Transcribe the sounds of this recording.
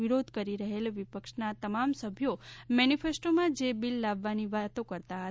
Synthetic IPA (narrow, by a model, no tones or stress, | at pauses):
iɾod̪ʱkəɾiɾəɦelʋipəkʃnat̪əmamsəbʱjomɛnifesʈomãd͡ʒebilːaʋːaniʋat̪õkəɾt̪aɦə